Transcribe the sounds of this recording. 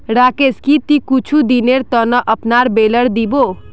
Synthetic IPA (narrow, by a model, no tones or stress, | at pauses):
ɽakeskit̪ikut͡ʃʰud̪ineɾt̪ɔnɔʔəpnaɾbeləɽd̪ibo